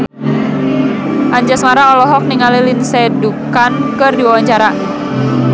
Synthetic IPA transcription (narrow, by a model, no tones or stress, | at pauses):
ʔaɲd͡ʒasmaɾaɔlɔɦɔk̚niŋalilinsɛdukankɨrdiwawaɲt͡ʃaɾa